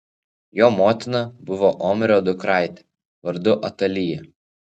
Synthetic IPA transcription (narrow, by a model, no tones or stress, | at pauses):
joːmoːt̪ʲɪnɐbʊʋɔʔɔmʲɪɾʲoːd̪ʊkɾɑˑɪt̪ʲɛ̥ | ʋɐɾd̪ʊʔɐt̪ɐlʲijɛ